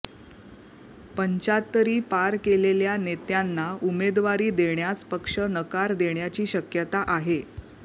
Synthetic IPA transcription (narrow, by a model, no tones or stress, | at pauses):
pəɲt͡ɕat̪ːəɾiːpaɾkeleljanet̪janːaumed̪ʋaɾiːd̪eɳjaspəkʂənəkaɾd̪eɳjat͡ɕiːɕəkjət̪aʔaɦe